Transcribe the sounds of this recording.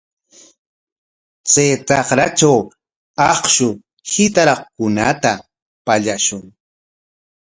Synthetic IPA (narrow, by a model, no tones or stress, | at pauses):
t͡sejt͡s̪ɑχɾat͡ʃaw | ɑχʃʊ | hɪt̪aɾɑχkʊnat̪a | paʎaʃʊŋ